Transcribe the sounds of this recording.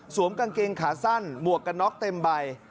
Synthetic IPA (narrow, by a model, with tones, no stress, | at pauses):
su˨˩˦əmka˧nkeː˧ŋkʰaː˩˦sa˥˩nmu˨˩ək̚ːa˧nːɔ˦˥k̚t̪e˧mba˧j